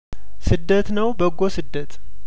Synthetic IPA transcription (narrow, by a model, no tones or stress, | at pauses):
sɨd̪ːət̪nəwbəɡːosɨd̪ːət̪ʼ